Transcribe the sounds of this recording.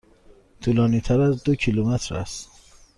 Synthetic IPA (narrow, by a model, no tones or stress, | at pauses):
t̪ʰulɒːniːt̪ʰæɾæzd̪ocʰilumæt̪ʰɾæ̰st̪